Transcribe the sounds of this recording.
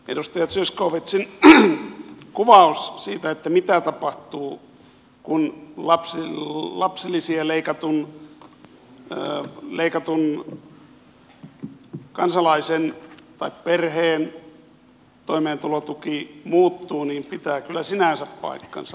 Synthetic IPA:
ḛdust̪ɑjɑt̪syskoːʋet̪sin | kuʋɑussiːt̪æet̪ːæmit̪æt̪ɑpɑht̪uː | kunlɑpsilɑpsilːˑisiɑleikɑt̪un | leikɑt̪un | kɑnsɑlɑisent̪ɑipperheːn | t̪oimeːnt̪ulot̪ukimuːt̪ːuːniːmpit̪æːkylːæsinæˑnsæppɑ̰ikːɑ̰nsɑ

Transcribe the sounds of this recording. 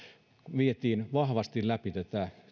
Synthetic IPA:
ʋiet̪iːnʋɑhʋɑst̪illæpit̪æt̪æ

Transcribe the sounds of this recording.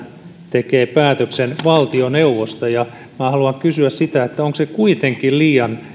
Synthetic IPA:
t̪ekeːpæːt̪øksenʋɑlt̪ioneuʋost̪ɑjɑ | mmæhɑluɑkkysyæssit̪æet̪ːæoŋksekuit̪eŋkilliːjɑn

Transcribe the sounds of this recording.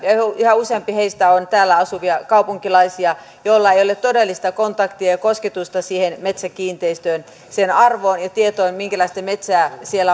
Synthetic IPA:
jɑihɑuseɑmpiheist̪æont̪æːlːæɑsuʋiɑkɑupuŋkilɑisiɑ | jolːɑeijolet̪t̪odelːist̪ɑkont̪ɑkt̪iɑjɑkosket̪ust̪ɑsiːhenmet̪sækiːnt̪eist̪øːn | senɑrʋoːnjɑt̪iet̪oimiŋkælɑˑist̪emet̪sæːsielːæ

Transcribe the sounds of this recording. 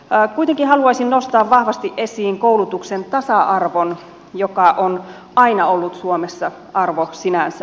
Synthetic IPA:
kuit̪eŋkihɑluɑisinnost̪ɑːʋʋɑhʋɑst̪iʔʔesiːŋkoulut̪uksent̪ɑsɑʔɑrʋon | jokɑʔon | ɑinɑolːut̪suomesːɑ | ɑrʋosinænsæ

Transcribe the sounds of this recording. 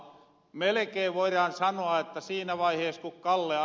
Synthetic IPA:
melekeːʋʋoirɑnsɑnoɑet̪ːæsiːnæʋɑiheːskukkɑlːeɑ

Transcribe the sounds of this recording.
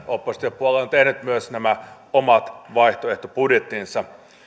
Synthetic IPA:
opːost̪iɑpːuoleont̪ehnyt̪myøsnæmæ | omɑt̪ʋɑiht̪oeht̪opudjet̪ːˑinsɑ

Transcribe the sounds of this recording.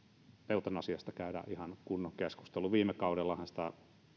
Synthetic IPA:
peˑut̪ɑnɑsiɑst̪ɑkæydæ̰ʔʔihɑnkunːoŋkeskust̪eluʋiːmːˑekɑˑuɾelːɑhɑnsĭ̥t̪æ

